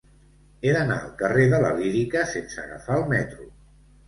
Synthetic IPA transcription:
eðəna̰əlˠkəreðələliɾikəsensəəɣə̰faəlˠmɛt̪ɾu

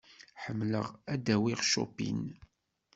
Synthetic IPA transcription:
ħəmːlə̰ʁæd̪æwiʁʃo̰pḭn

